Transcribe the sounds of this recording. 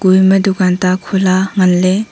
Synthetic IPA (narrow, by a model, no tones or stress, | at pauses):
ɡ̥ujmɐdukantakʰulaŋɐnle